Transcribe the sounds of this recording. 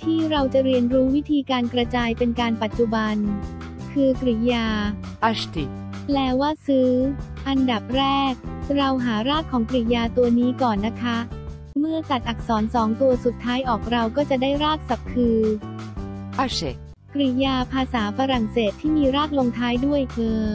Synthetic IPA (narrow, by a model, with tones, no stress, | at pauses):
t̪ʰiː˥˩ɾa˧wt͡ɕa˨˩ɾi˧ənɾuː˦˥wi˦˥t̪ʰiː˧kaː˧nkɾa˧t͡ɕaː˧jpe˧nkaː˧npa˨˩t̪̚ːt͡ɕu˨˩ba˧n | kʰɯː˧kɾi˨˩jaː˧ | ʔa˧˩st̪i˨˩ | plɛː˦˥waː˥˩sɯː˦˥ʔa˧nda˨˩p̚ɾɛː˥˩k̚ɾa˧wɦaː˩˦ɾaː˥˩t̪̚kʰɔː˩˦ŋkɾi˨˩jaː˧t̪u˧ɐniː˦˥kɔː˨˩nːa˦˥kʰa˦˥ | mɯ˥˩ət͡ɕa˨˩t̪̚ʔa˨˩k̚sɔː˩˦nsɔː˩˦ŋt̪u˧ɐsu˨˩t̪ʰːaː˦˥jʔɔː˨˩k̚ɾa˧wkɔː˥˩t͡ɕa˨˩daː˥˩jɾaː˥˩k̪̚sa˨˩p̚kʰɯː˧ | ʔa˧˥sḛ˨˩ | kɾi˨˩jaː˧pʰaː˧saː˩˦fa˧ɾa˨˩ŋseː˨˩t̪ʰːiː˥˩miː˧ɾaː˥˩k̪̚lo˧ŋt̪ʰaː˦˥jdu˥˩əjkɤː˧